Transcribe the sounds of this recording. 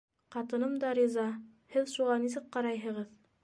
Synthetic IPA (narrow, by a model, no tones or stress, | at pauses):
qɑt̪ɤ̆nɤmd̪ɑɾʲizɑ | hɘðʃuʁɑnis̬ɘk̚qɑɾɑjɦɤ̆ʁɤð